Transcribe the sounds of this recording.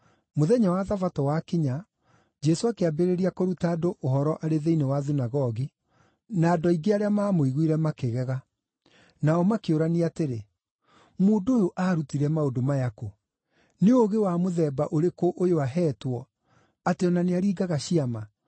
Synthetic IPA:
moðɛɲawaðavatɔwakeɲa | d͡ʒɛsoakeabeɾeɾiakoɾutaːdoʔohɔɾɔʔaɾeðeinewaðinaɣɔɣi | naːdɔiɡeaɾeamaːmoiɣwiɾɛmakeɣɛɣa | naɔmakeoɾaniateɾe | moːdojoʔaːɾutiɾɛmaodomajako | neoɣewamoðɛːbaʔoɾekoʔojoaɦɛːtwɔ | ateɔnaneaɾiːɡaɣaɕiama

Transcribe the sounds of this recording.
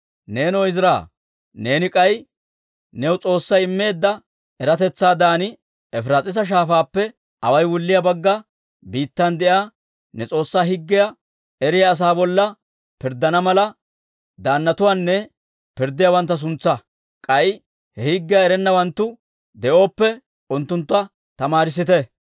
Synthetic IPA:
ne̞ːnɔjɪzɾa̰ː | ne̞ːnɪkʼɐj | nɛwʊt͡sʼo̞ːsːɐjɪmːe̞ːd̪ːɐ | ɛɾɐt̪ɛt͡sːaːd̪aːnɪ | ɛfɾɐt͡sʼɪs̬ɐʃ̬aːfaːpːɛ | ɐwɐjwʊlːɪjɐbɐɡːɐ | biːt̪ːɐnd̪ɛjaː | nɛt͡sʼo̞ːsːaːhɪɡːɪjɐ | ɛɾɪjɐːs̬aːbɔlːɐ | pɪɾd̪ːɐnɐmɐlɐ | d̪aːnːɐt̪ʊwaːnːɛ | pɪɾd̪ːɪjawɐnt̪ːɐs̬ʊnt͡sːɐ | kʼɐʔɪ | hɛhɪɡːɪjɐɛɾɛnːɐwɐnt̪ːʊ | d̪ɛʔo̞ːpːɛ | ʊnt̪ːʊnt̪ːɐ | t̪ɐmaːɾɪs̬ɪt̪ɛ

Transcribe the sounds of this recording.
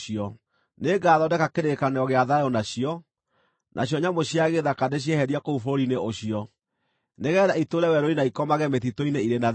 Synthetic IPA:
iɔ | neːɡaːðɔdɛkakeɾekaneɔɣeaðajɔnaɕiɔ | nʔa̰ɕjɔɲamoɕiaɣeðakadeɕ̬iɛhɛɾiakoufoɾineoɕiɔ | neɣɛːðaitoɾɛwɛɾoinaikɔmaɣɛmeθitoineiɾena

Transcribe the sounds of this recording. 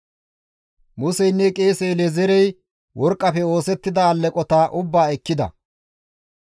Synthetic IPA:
mʊsɛjnːɛkʼe̞ːsɛjlɛzɛɾɛj | wʔɔɾkʼːɐpɛo̞ːsɛt̪ːɪd̪ɐːlːɛkʼɔt̪aːʔʊbːaːɛkːɪd̪ɐ̰

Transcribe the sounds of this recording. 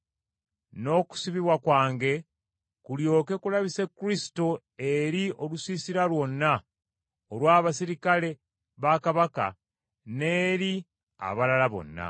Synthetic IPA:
no̞ku̥siβiβwakwaːŋɡe̞ | kuljo̞ːke̞kulaβise̞kːuɾisi̥to̞ | eɾio̞lusisiɾalwo̞nːa | olwaːβasiɾikale̞ | βakaβaka̰ | ne̞ːɾi | a̰βalalaβo̞̰nːa̰

